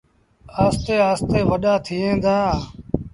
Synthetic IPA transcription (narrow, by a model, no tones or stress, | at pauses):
aːst̪eːaːst̪eːʋəɗaːt̪ʰiːẽːd̪ãːaː